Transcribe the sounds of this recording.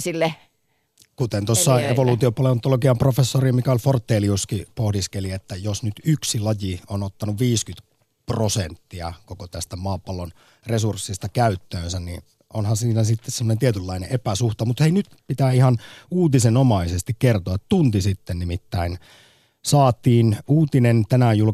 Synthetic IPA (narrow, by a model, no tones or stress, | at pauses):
silːe | kut̪ent̪ossːɑeʋoluːt̪iopɑleont̪ːolokiɑmprofesːorimikæolfort̪ːeːliuskipohdiskeliet̪ːæjosnyt̪yksilɑjionot̪ːɑnuʋʋiːskyt̪ | prosent̪ːiɑ̰kokot̪æst̪æmɑːpɑlːon | resursːist̪ɑkæyt̪ːøːnsænnḭ | onhɑsiːnæsit̪ːessemːonent̪iet̪ylːɑinḛʔepæsuht̪ɑmut̪heinyt̪pit̪æːihɑnuːt̪isenomɑisest̪ikkert̪oɑt̪t̪unt̪isit̪ːennimit̪ːæin | sɑːt̪ˑiːnuːt̪inent̪ænæjul